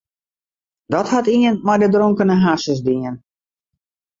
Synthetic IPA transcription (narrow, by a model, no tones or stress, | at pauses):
dɔthatiənmɔjdədroŋkənəɦasəsdiən